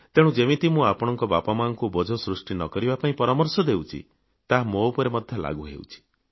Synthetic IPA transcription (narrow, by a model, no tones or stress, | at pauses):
t̪eɽ̃ũd͡ʒemĩt̪imũapɔɽ̃ɔŋkɔbapamanɔŋkubɔd͡ʒʱɔsɾusʈinɔkɔɾibapaĩpɔɾamɔɾsɔd̪ewt͡ʃʰḭ | t̪aɦmowpɔɾemɔd̪ʱjɔla̰ɡuɦḛw̰t͡ʃʰi̥